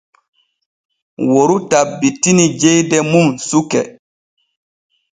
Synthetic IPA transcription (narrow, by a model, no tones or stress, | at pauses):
woɾutabːitːinid͡ʒejdɛmumsukɛ